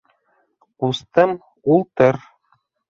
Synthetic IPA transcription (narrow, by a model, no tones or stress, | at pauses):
ust̪ɤm | ulˠt̪ɤɾ